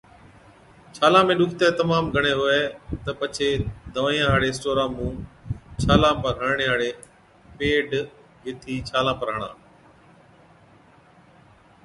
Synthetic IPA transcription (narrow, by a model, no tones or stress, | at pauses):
t͡ʃʰaːlãːmẽːɗʊkʰt̪eːt̪əmaːmɡʱəɳ̃ẽːɦʊeːt̪əpət͡ʃʰeːd̪əʋaːĩjãːɦaːɽeːsʈoːɾãːmũːt͡ʃʰaːlãːpəɾɦəɳɳeːɦaːɽeː | peːɖ | ɦɪt̪ʰiːt͡ʃʰaːlãːpəɾɦəɽã̰ː